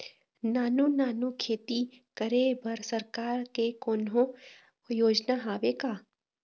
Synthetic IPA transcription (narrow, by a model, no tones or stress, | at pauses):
naːnunaːnukʰeːt̪i | kəɾebəɾsəɾkaːɾkekoːnɦõ | joːd͡ʒnaɦaːʋekaː